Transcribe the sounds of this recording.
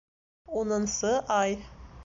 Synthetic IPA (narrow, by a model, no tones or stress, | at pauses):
unɤ̆nsɤʔɑj